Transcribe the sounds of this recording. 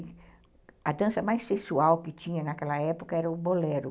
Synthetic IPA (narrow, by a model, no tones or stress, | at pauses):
ɐd̪ɐ̃sɐmajsesuawkɪt͡ʃĩɲɐnɐkɛlɐɛpokɐɛɾɐʊbolɛɾʊ